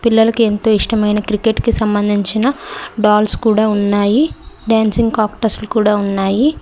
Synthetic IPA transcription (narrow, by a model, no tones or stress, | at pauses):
pilːɐlɐkue̞nt̪o̞ːiʂʈɐmɐjnɐkɾike̞ʈkisɐmbɐnd̪ʱiɲt͡ʃinɐɖaːlskuːɽaːunːaːjiɖjaːnsiŋɡkaːkʈɐɾslukuːɽaːunːaːji